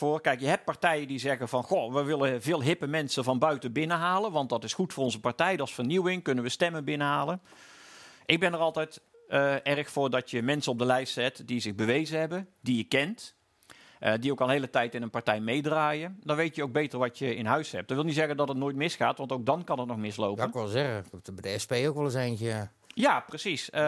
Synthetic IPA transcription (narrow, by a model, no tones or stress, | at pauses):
voːrkɛjkjəɦɛp̚t̚pɑɹtɛjəndizɛɣəvɑnxoʋəʋɪləvɪːlˠɦɪpəmɛnsəvɑnbœɥtəbɪnəɦaːlənʋɑnt̚dɑtɪsxutfʊːrɔnzəpaɹtɛjdɑlˠsfərniwɪŋkɵnənʋəstɛməbɪnəɦaːlən | ʔɪɡ̚bɛnərɑlˠtɛjt | ɛrxfʊːɹdɑtjəmɛnsənɔb̚dəlɛjstsɛtdizɪɣbəʋejzəɦɛbəndijəkɛnt | ʔədiowkɑlˠɦeːlətɛjtɪnənpɑɹtɛjmejdraːjədɑnʋejtjəowɡ̚bejtərʋɑtjəɪnɦœɥshɛp̚d̥ɑnʋɪlˠnitzɛɣəndɑtətnoːjt̚mɪsxaːtʋɑntowk̚dɑnkɑnət̚nɔxmɪslo̰wənkɛzɛɣəbdɛspejokʋɛlˠəsenk | jaːprəsis